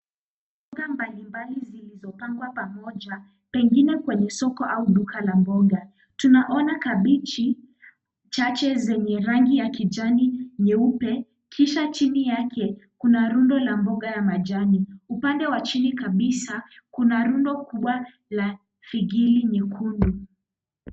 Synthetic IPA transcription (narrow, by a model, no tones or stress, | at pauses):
mb | ɔɡambalimbalizilizɔpaŋɡwapamɔʄa | pɛŋɡinɛkwɛɲɛsɔkɔʔauɗukalambɔɡa | tunaʔɔnakaɓit͡ʃi | t͡ʃat͡ʃɛzɛɲɛɾaŋɡijakid͡ʒaniɲɛupɛ | kʰiʃat͡ʃinijakʰɛkunaɾundɔlambɔɠajamad͡ʒaniupandɛwat͡ʃinikaɓisa | kunaɾundɔkuɓwa | la | fiɡiliɲɛkʰundu